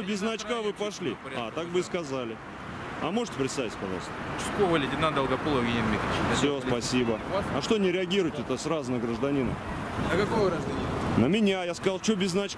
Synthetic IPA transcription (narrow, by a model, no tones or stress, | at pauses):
obʲɪznɐt͡ɕkavɨpɐʂlʲi | at̪akbɨskɐzalʲɪ | ɐ̰mo̞ʐɨ̥tʲɪpɾʲɪt̪st̪avʲɪtʲpɐʐɑ̰lˠst̪əɪ̥skovəlʲɪdʲɪnand̪əlˠɡɐpolˠəvɡʲenʲɪnmʲixəvʲɪt͡ʃsʲospɐsʲibəɐʂt̪o̞nʲɪɾʲɪɐɡʲiɾʊjɪtʲɛt̪əsrazʊnəɡɾəʐd̪ɐnʲinə̰ | kɐkovəɡɾaʐd̪ɐnʲinnəmʲɪnʲajaskɐzalˠt͡ɕobʲɪznɐt͡ɕk